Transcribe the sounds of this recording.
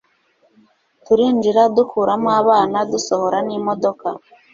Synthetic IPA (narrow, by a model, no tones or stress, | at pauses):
tuɾiːnd͡ʒiɾadukʰuːɾamwaːβaːnaduso̞ho̞ɾanimo̞do̞ka